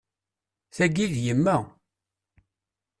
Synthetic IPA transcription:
θæɡiðjəmːæ

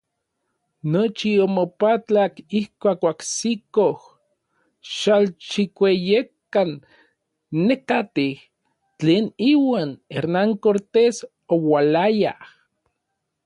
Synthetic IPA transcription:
not͡ʃiomopat͡ɬakihkʷaːkaksikoh | ʃalt͡ʃikʷejekːanː | ekat̪ih | t͡ɬeːniwaːneɾnaŋkoɾt̪es | owalaja̰h

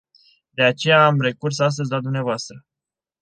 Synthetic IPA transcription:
d̪e̞at͡ʃe̞jaːmre̞kursas̬t̪əzʲlad̪umneavoast̪ɾə

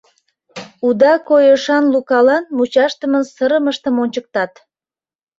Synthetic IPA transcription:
ud̪ɑkojəʃɑnlukɑlɑnmut͡ɕɑʃt̪əmənsəɾəməʃt̪əmonʲt͡ɕək̚t̪ɑt̪

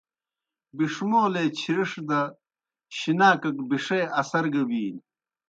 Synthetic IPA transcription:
biʂmoːleːt͡ɕʰiɾiʂd̪ɐ | ɕinaːkɐk̚biʂeːɐsɐɾɡɐbiːl

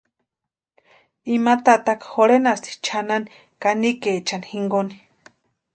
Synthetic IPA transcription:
imat̪at̪akxoɾenast̪i̥t͡ʃʰanani | kanikeːt͡ʃanihiŋɡoni̥

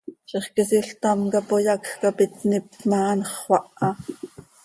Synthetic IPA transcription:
ʃiχkesiɬt̪ɑmkɑpojɑkkapit̪nipmɑːnχwɑʔɑ

